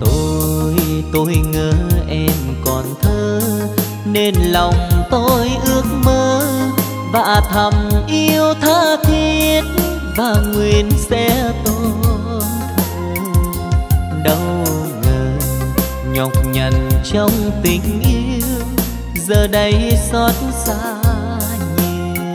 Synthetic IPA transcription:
t̪o˧jt̪o˧jŋəː˨˦ʔɛ˧mkɔ˨˩nt̪ʰəː˧ | ne˧nlɔ˨˩wŋ͡mt̪o˧jʔɨ˧˦˥ək̚məː˧ | va̰ː˧˨˩t̪ʰə˨˩mʔi˧əwt̪ʰaː˧˥t̪ʰi˧ən | vaː˨˩ŋwi˨˩ənsɛ̰˧˥t̪o˧ | nt̪ʰə˧˩ | ɗə˧w | ŋəː˨˩ | ɲɔ˨˩wk͡p̚ɲə˨˩nt͡ɕɔ˧wŋ͡mt̪ï˨˩ŋ̟ʔi˧əw | zəː˨˩ɗə˧jsɔ˦˥t̚nsaː˧˥ | ɲi˧˩˨

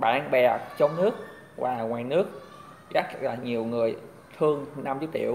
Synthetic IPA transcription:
ɓa̰ː˧˨nɓɛ˨˩t͡ɕɔ˧wŋ͡mnɨ˦˥ək̚ | vaː˨˩ŋwaː˨˩jnɨ˦˥ək̚ | ɣa˦˥k̚laː˨˩ɲi˨˩əwŋɨ˨˩əj | t̪ʰɨ˧əŋna˧mt͡ɕi˦ətt͡ɕḭ˧˨əw

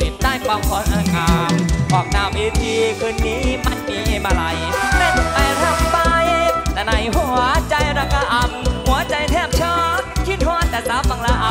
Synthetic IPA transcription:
i˨˧˥mt̪aː˧˩jka˧mkʰɔː˧nʔaː˧˩kaː˨˧˩mʔɔː˨˩k̚naː˧mʔi˧˥t̪ʰiː˧kʰɯː˧nːiː˦˥ma˧˩nmiː˧ma˧ɾa˧jɾe˧˩pa˧jɾa˧˩ŋpa˧jt̪ʰa˨˧˩na˧˩jɦu˨˦ɐt͡ɕa˧jɾa˧kʰa˧ʔa˧m̚hu˨˦ɐt͡ɕa˧jt̪ʰɛː˥˩p̚t͡ɕʰɔː˧˥t̪̚kʰi˧˩t̪̚hɔː˧˥˨nt̪ɛː˨˩saː˨˦˥pfa˧ŋla˧ʔa˧˦

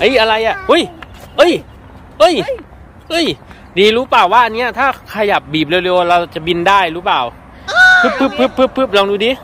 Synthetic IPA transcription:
ʔa˦˥˩jʔa˧ɾa˧jʔa˨˩ʔʔu˦˥˩j | ʔɤː˧˥˩j | ʔɤ˧˥˩j | ʔɤː˧˥˩j | diː˨˧ɾuː˦˥plaː˨˩wːaː˥˩ʔa˧nːi˦˥ɐt̪ʰaː˥˩kʰa˧ja˨˩p̚biː˨˩p̚le˧˩wle˧wɾa˧wt͡ɕa˨˩bi˧ndaː˥˩jɾuː˦˥paː˨˩w | pʰɯː˦˥˩pʰːɯ˦˥˩pʰːɯː˦˥˩pʰːɯː˦˥˩pʰːɯː˦˥˩p̚lɔː˧ŋduː˧diː˧

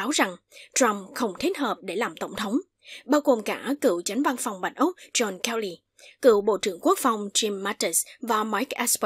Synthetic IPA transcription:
aː˨˦wza˨˩ŋ | t͡ɕa˧mxə˧wŋ͡mt̪ʰe˦˥t̚həː˨˩p̚ɗe˧˩laː˨˩mt̪ə˧˩wŋ͡mt̪ʰə˨˦wŋ͡m | ɓaː˧wɣo˨˩mkaː˧˩kɨ̰˧˩˨wt͡ɕa˨˦ŋ̟va˧nfa˨˩wŋ͡mɓa˨˩jŋ̟ʔʊ˦˥k͡p̚zɔ˧nkɛ˧wli˧˩ | kɨ̰˧˩wɓo̰˧˨t͡ɕɨ˧˩əŋku˦˥ək̚fa˨˩wŋ͡mt͡ɕi˧mːaː˧t̪i˨˦˩svaː˨˩ma˨˦˥jk̚ʔɛ˦˥sp

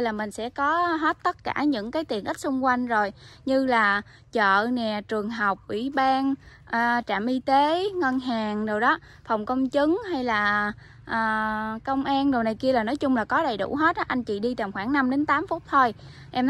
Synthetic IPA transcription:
jlaː˨˩mï˨˩ŋ̟sɛ̰˧˥kɔ˨˦ɦe˦˥t̚t̪ə˦˥t̚kaː˧˩ɲɨ̰˧˥ŋkaː˨˦jt̪i˨˩ənka˦˥k̚sʊ˧ŋ͡mkwa˧jŋ̟zo˨˩jɲɨ˧laː˨˩ | t͡ɕə̰ː˧˨nɛ˨˩t͡ɕɨ˨˩əŋɦa˨˩wk͡p̚ʔwḭ˧˩ɓaː˧n | ʔəː˨˩t͡ɕa̰ː˧˨mʔi˧t̪e˨˦ŋə˧nɦaː˨˩ŋɗɨ˨˩wɗɔ˨˦ | fə˨˩wŋ͡mkə˧wŋ͡mt͡ɕɨ˨˦ŋɦa˧jlaː˨˩ | ʔəː˨˩kə˧wŋ͡mʔaː˧nɗi˨˩wna˨˩jki˧əlaː˨˩nɔ˨˦jt͡ɕʊ˧ŋ͡mlaː˨˩kɔ˨˦ɗə˨˩jɗṵ˧˩ɦe˦˥t̚ʔʔa˧jŋ̟t͡ɕḭ˧˨ɗi˧t̪aː˨˩mxwaː˧˩ŋna˧mɗe˨˦nt̪aː˨˦mfʊ˦˥t̚t̪ʰo˧j | ʔɛ˧m

